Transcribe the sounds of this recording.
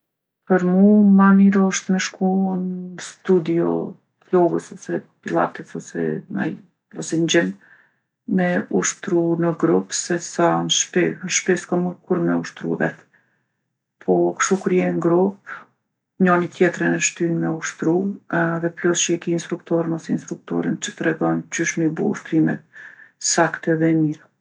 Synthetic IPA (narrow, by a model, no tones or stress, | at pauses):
pəɾmumaniɾɔʃt̪mɛʃkunst̪ud̪iɔ̰ | lɔɡəsɔsɛpilˠa̰t̪ɛsɔsɛ̰a̰j | ɔsɛɲd͡ʑɛn | mɛuʃt̪ɾunəɡɾupsɛsanʃpɛʃpɛskamuɾkuɾmɛuʃt̪ɾṵvɛ̰t̪ | pʰɔkʃt̪ukuɾjɛnɡɾup | ɲɔnit̪jɛt̪ɾɛnɛʃt̪ynmɛuʃt̪ɾuðɛplɔsʃɛkiːnst̪ɾukt̪ɔɾənɔsɛinst̪ɾuk̚t̪ɔ̰ɾənt͡ʃə̥t̪ɾɛɡɔnd͡ʒyʃmibuṵʃt̪ɾimɛ̰t̪̚sakt̪ɛðɛmiɾa